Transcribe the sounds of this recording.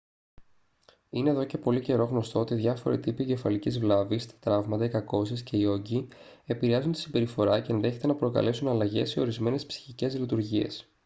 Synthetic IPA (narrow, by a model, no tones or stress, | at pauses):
ine̞ːðoce̞po̞lice̞ɾo̞ɣno̞st̪o̞ot̪iðʝɐfo̞̰ɾḭt̪ipiɟe̞fɐlicizvlɐvist̪ɐ̥t̪ɾɐvmɐt̪ɐikɐko̞sisce̞io̞ɟie̞piɾeɐzunt̪i̥sibe̞ɾifo̞ɾɐce̞ːnðe̞çe̞t̪e̞nɐpɾo̞kɐ̰le̞sunɐlɐʝe̞seo̞ɾizme̞ne̞spsi̥çice̞zlit̪uɾʝie̞̰s